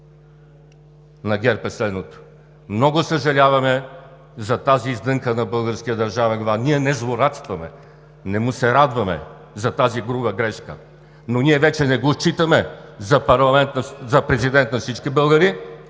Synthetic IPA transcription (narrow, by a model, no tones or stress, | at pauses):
nɐɡʲɛɾpɛslɛd̪not̪o̥ | mnɔɡʊsəʒɐlʲavɐmɛ | zɐt̪aziːzd̪ɤŋkənɐbɤlˠɡəɾskʲiəd̪ɐɾʒavɛnɡvaniɛnɛzlˠoɾat̪st̪vɐmɛ̰ | nɛmusɛɾad̪vɐmɛ̰ | zɐt̪aziɡɾubəɡɾɛʃkə̰ | noniɛvɛt͡ʃɛnɛɡot͡ʃit̪əmɛzɐpɐɾlˠɐmɛnt̪nzɐpɾɛzid̪ɛnt̪nɐfsit͡ʃkibɤlˠɡəɾi